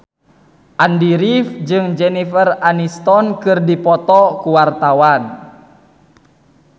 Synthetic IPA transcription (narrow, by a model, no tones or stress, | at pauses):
ʔandiɾifd͡ʒɨŋd͡ʒɛnifəranist̪ɔnkɨrdipɔt̪ɔkuwart̪awan